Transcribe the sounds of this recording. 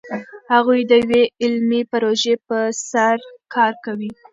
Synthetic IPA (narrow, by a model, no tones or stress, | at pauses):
haɣujd̪əjweɪlmipaɾoʒepəsaɾkʰɑɾkawi